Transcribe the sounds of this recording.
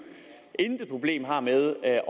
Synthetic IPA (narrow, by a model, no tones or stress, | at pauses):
end̥əpʰʁo̝b̥le̝̰ːmɦɑ̈ːmeð̞ˠ